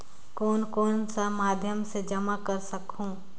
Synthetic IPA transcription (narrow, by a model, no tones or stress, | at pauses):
koːnkoːnsamaːd̪ʱjəmsed͡ʒɐmakəɾsəkɦũː